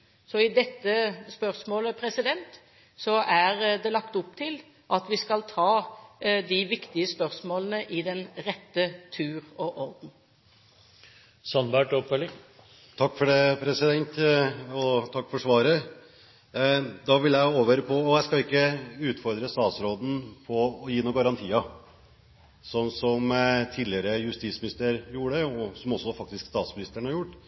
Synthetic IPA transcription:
sɔɪd̪ɛt̪ːəspœʁsmoːləpʰɾɛsɪd̪ɛnt̪ | sɔʔæɾd̪ɛlɑkt̪ʊp̚t̪ʰɪl | ʔɑt̪ʋɪskɑlt̪ʰɑːd̪ɪʋɪkt̪ɪəspœɾsmoːlənəʔɪd̪ɛnɾɛt̪ːət̪ʰʉːɾɔʔɔɾd̪n̩ | sɑnbæʈɔpfœlɪŋ | t̪ʰɑkːfɔɖepʰɾɛsɪd̪ɛnt̪ɔt̪ʰɑkːfɔʂʋɑːɾə | d̪ɑʋɪljæɪoːʋəɾpʰɔɔjæɪskɑɪkːəʉːt̪fɔɾd̪ɾəst̪ɑːt̪sɾoːd̪n̩pʰɔɔjiːnuːɡɑɾɑnt̪ʰiːɑ | sɔnːsɔmt̪ʰiːd̪lɪəɾəjʉst̪iːt̪smɪnɪst̪əəɾjuːəɖəɔsɔmɔsːɔfɑk̚t̪ɪskst̪ɑːt̪smɪnɪst̪əɳhɑɾjʊʈː

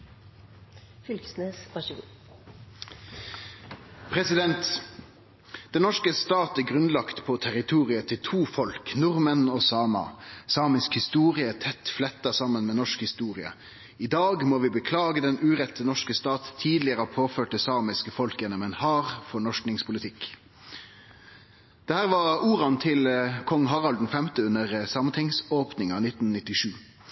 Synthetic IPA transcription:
fʏlksnesʁɑʃu | pʰɾɛsɪd̪ɛnt̪ | d̪̥ɛnɔʂkəst̪ɑːt̪əɡʁʉnlɑkt̪pʰɔt̪ʰæɾɪt̪ʰuːʁɪət̪ʰɪlt̪ʰuːfɔlknʊʁmənɔsɑːmɑ̰sɑːmɪskhɪst̪uːʁɪət̪ʰɛt̪ːflɛt̪ːɑsɑmənmeːnɔʂkhɪst̪uːʁɪə̰ | ɪd̪ɑːɡmɔʋɪbəkʰlɑːɡəd̪ɛnʉːʁɛt̪ːənɔʂkəst̪ɑːt̪t̪ʰiːd̪lɪəʁəpʰoːføːʈ̚d̪əsɑːmɪskəfɔlkjɛnːɔmɛnhɑːɾfɔɳɔʂknɪŋspʰʊlɪt̪ʰɪk | d̪̥ɛhæːʁʋɑuːʁɑnt̪ʰɪlkʰɔŋːɦɑʁɑld̪nfɛmt̪əʉnəʁsɑːmənt̪ʰɪŋsoːpnɪŋɑnɪt̪ːn̩nɪt̪ːɪʂʉː

